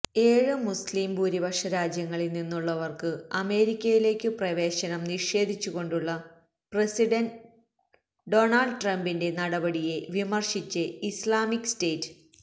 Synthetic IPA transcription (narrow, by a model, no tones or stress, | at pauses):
e̞ːɻɨmusliːmbuːɾibɐʂɐɾaːd͡ʑjɐŋːɐɭilninːuɭːɐʋɐrkɨɐme̞ːɾikʲːɐjile̞ːkʲːɨprɐʋe̞ːɕɐnɐmniʂe̞ːd̪ʱit͡ɕːuɣo̞ɳɖuɭːɐ | presiɖɐn | ɖo̞ːnɐlɖʈrɐmbinde̞nɐɽɐbɐɽije̞ʋimɐrʂit͡ɕːɨislaːmikːsteːtːɨ̥